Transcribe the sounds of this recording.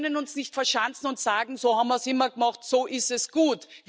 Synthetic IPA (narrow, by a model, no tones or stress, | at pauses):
nənʊnsnɪçtfɛɐʃant͡sn̩ʊntsaːɡŋ̩soːhaːbm̩viɐsɪmɐɡəmɑχtsoːʔɪstɛsɡ̥uːtv